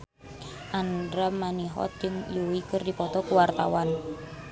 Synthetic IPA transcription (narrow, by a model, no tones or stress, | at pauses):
ʔandɾamaniɦɔ̰t̪̚d͡ʒɨŋjuwikərdipɔt̪ɔkuwart̪a̰wan